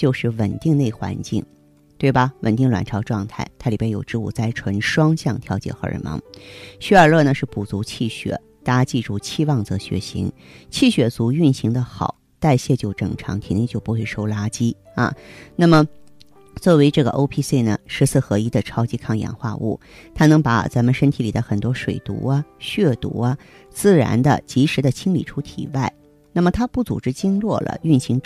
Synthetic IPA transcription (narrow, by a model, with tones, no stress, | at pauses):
t͡ɕjo˥˧ʊʂɻ̩˥˩wə̰˨˩nt̪i˥˧ŋne˥˩ɪxwa̰˧˥nt͡ɕḭ˥˩ŋ | t̪we˥˩ɪbɐ˩wə̰˨˩nt̪i˥˩ŋlwa̰˨˩nʈ͡ʂʰɑ˧˥ʊʈ͡ʂwɑ˥˧ŋt̪ʰa˥˩ɪt̪ʰa˥li˨˩pjɛ˥njo˨˩ʊʈ͡ʂɻ̩˥˧ṵ˥˩t͡sa˥˩ɪʈ͡ʂʰwə˧˥nʂwɑ˥ŋɕjɑ˥˧ŋt̪ʰjɑ˧˥ʊt͡ɕjɛ̰˥˩xɤ̰˧˥ə̰˧˩mɑ̰˧˥ŋɕy˥ə˞˨˩lɤ˥˩nə˩ʂɻ̩˥˩pu˨˩t͡su˧˥t͡ɕʰi˥˩ɕɥɛ̰˨˩˦ | t̪a˥t͡ɕi˥˧ʈ͡ʂu˥˩t͡ɕʰi˥˧wɑ˥˩ŋt͡sɤ˧˥ɕɥɛ̰˧˥ɕḭ˧˥ŋ | t͡ɕʰi˥˩ɕɥɛ˨˩t͡su˧˥y˥˩nɕi˧˥ŋd̪ə˧xɑ̰˨˩˦ʊ | t̪a˥˧ɪɕjɛ˥˧t͡ɕjo˥˩ʊʈ͡ʂɤ̰˨˩ŋʈ͡ʂʰɑ̰˧˥ŋt̪ʰi˨˩ne˥˧ŋt͡ɕjo˥˧pu˧˥xwe˥˧ɪʂo˥ʊla˥t͡ɕi˥ | ɐ̰˧na˥˩mə˩ | t͡swɔ˥˩we˧˥ɪʈ͡ʂɤ˥˩ɡə˩ʔo˥ʊpʰi˥se˥˩ɪnə̰˩ʂɻ̩˧˥t͡sʰɹ̩˥˩xɤ˧˥i˥d̪ə˨˧ʈ͡ʂʰɑ˥ʊt͡ɕi˧˥kʰɑ˥˩ŋjɑ̰˨˩ŋxwa̰˥˧ʔṵ˥˩ | t̪ʰa˥nɤ˧˥ŋpa̰˨˩˦t͡sa˧˥nmə˧nʂə˥nt̪ʰi˧˥li˨˩d̪ə˦xə˨˩nt̪wɔ˥ʂwḛ˨˩ɪt̪ṵ˧˥ɐ˧ɕɥɛ˥˩t̪ṵ˧˥ɐ˧ | t͡sɹ̩˥˩ɻa̰˧˥nd̪ə̰˧t͡ɕi˧˥ʂɻ̩˧˥d̪ə˧t͡ɕʰi˥ŋli˨˩ʈ͡ʂʰu˥t̪ʰḭ˨˩wa˥˩ɪ | na˥˩mə˩t̪ʰa˥pu˥˩t͡sṵ˨˩ʈ͡ʂɻ̩˥t͡ɕi˥ŋlwɔ˥˩lə̰˩y˥˩nɕi˧˥ŋ